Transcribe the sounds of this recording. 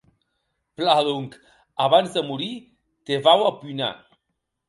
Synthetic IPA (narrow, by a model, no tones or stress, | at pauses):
plaðuŋk | aβanzd̪əmuɾi | t̪eβawapujna̰